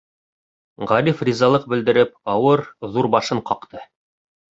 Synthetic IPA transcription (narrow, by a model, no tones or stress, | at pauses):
ʁɑɾʲifrʲizɑlˠɤq̚bɘ̆ld̪ɘ̆ɾɘp̚ɑwɤɾðuɾbɑʃɤɴqɑqt̪ɤ